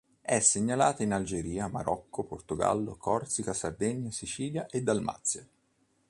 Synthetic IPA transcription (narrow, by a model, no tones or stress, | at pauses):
ɛsːeɲːalaːt̪ainald͡ʒeɾiːama̰ɾɔkːoport̪oɡa̰lːo̰kʰɔrt̪sikasard̪eɲːasit͡ʃiːljaʔed̪ːalma̰t̪sːja